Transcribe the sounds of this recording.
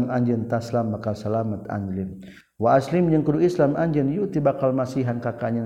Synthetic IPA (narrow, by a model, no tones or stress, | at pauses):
maɲd͡ʒənt̪aslambakalsalamat̪a̰ɲd͡ʒlim | waaslimɲəŋkəduʔislamaɲd͡ʒənjut̪ibakalmasiɦankakaɲə